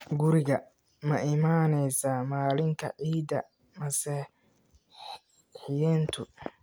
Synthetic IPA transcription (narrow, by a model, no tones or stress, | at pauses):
ɡʊɾɪɣɐ | mɐʔɪmaːnɛjsaːmaːlɪŋkʰɐ̰ʕiːd̪ɐ̰ | mɐsɛ | ħɪjɛːnt̪ʰʊ